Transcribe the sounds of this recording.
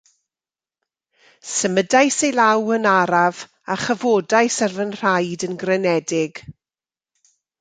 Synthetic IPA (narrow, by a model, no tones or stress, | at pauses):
səmədajsejlˠawənaɾav | aχəvoːdajsarvənr̥ajdənɡrɛnɛdɪɡ̥